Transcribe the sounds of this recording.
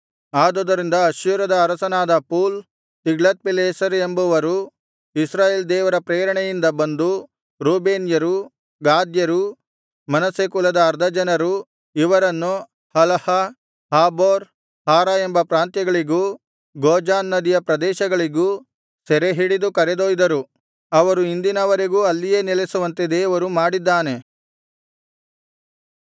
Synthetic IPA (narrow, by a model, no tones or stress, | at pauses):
aːd̪od̪ɐɾind̪ɐːʃjuːɾɐd̪ɐːɾɐsɐnaːd̪ɐpuːl | t̪iɡɭɐt̪̚pileːsɐɾembuʋɐɾu | isɾaːjeːld̪ɛːʋɐɾɐpɾeːɾɐɳɛjind̪ɐbɐnd̪u | ɾuːbeːnjɐɾu | ɡaːd̪jɐɾu | mɐnɐsekulɐd̪ɐːɾd̪ʱɐd͡ʒɐnɐɾu | iʋɐɾɐnːu | hɐlɐhɐ | haːboːɾ | haːɾaembɐpɾaːnt̪jɐɡɐɭiɡuː | ɡoːd͡ʒaːnːɐd̪ijɐpɾɐd̪ɛːʃɐɡɐɭiɡuː | sɛɾeɦiɽid̪ukɐɾed̪oːjd̪ɐɾu | ɐʋɐɾuind̪inɐʋɐɾeɡuːɐlːije̞ːnilesuʋɐnt̪ed̪eːɐʋɐɾumaːɽid̪ːaːne̞